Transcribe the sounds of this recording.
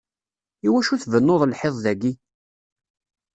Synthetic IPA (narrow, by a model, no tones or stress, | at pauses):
iwæʃuθvənːoðˤlħeðˤðæɡi